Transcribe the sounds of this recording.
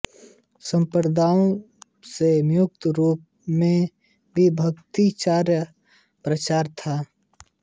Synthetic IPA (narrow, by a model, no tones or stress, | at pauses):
sə̃mpəɾd̪ʱaːõ | semjʊk̚t̪ɾuːp | mẽ | bʱibʱəkt̪it͡ʃaːɾjə | pɾət͡ʃaːɾt̪ʰaː